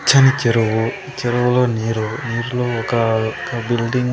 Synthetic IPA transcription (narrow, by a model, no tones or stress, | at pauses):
t͡ʃʰɐnit͡ʃiɾɐwu | t͡ʃeɾɐwuloːniːɾuniːɾuloːɔkɐkɐbilɖiŋ